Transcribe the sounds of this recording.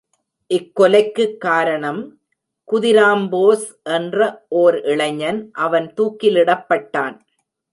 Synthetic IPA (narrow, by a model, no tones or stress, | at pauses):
ʔɪkːɔlɐɪkːɯkːaːɾɐɳɐm | kʊðɪɾaːmboːsʔɛndrɐʔoːɾɪɭɐɲɐnʔɐʋɐnt̪uːkːɪlɪɽɐpːɐʈːaːn